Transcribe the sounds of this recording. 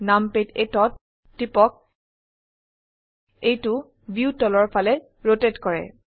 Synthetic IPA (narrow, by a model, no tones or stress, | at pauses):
nampetetɔtː | ipɔk̚ | ejtʊ | bjutɔlɔɹpʰalɛ | ɹotetkɔɹɛ̰